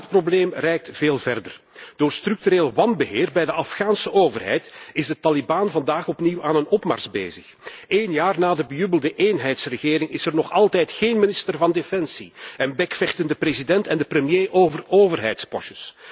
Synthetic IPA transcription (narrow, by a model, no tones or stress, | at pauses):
t̚probleːmrɛjk̚tv̥eːlˠvɛrdə̰r | d̥oːrstrʏk̚tyɾeːlwɑnbəɦeːrbɛjdəʔɑfxaːnsəʔoːvərɦɛ̰jtɪzdətːɑlibaːnvɑndaːxɔpniwaːnənɔpma̰rsbḛːzəx | eːnjaːrnaːdəbəjʉbəlˠdəʔeːnɦɛjtsrəɣeːɾɪŋɪsɛrnɔxɑlˠtɛjtxeːnmɪnɪstərvɑndefɛnsiɛnbɛkfɛxtəndəprezidɛntɛndəprəmjeːʔoːvəroːvərɦɛ̰jtspɔ̰ʃəs